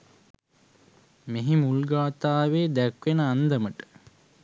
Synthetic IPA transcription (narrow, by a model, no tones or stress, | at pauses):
meɦimulɡaːt̪aːʋeːd̪ækʋenəand̪əməʈə̥